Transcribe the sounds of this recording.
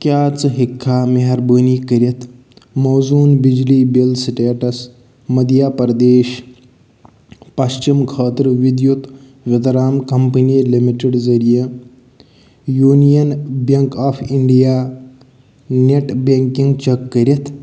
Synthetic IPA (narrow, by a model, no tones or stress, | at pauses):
kʲjaːt͡sɦikʰːaːmiɦɐɾbəːniːkɐɾjɐt̪ | mozuːnbid͡ʒliːbilsiʈeːʈɐs | mɐd̪jaːpɐɾɐd̪eːɕ | pɐɕt͡ʃimkʰəːt̪ɾʋid̪jut̪ | ʋʲɐt̪ɐɾaːmkɐmpəniːlimiʈeɖzɐɾijə | juːnijɐnbɐŋkaːfʰiɳɖijaː | neʈbeŋkiŋɡt͡ʃɐkːɐɾʲɐt̪